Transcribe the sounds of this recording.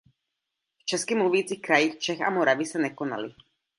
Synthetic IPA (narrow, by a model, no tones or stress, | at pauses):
ft͡ʃɛskimluʋiːt͡sixkɾajixt͡ʃɛxa̰mɔɾaʋisaɲɛkɔna̰li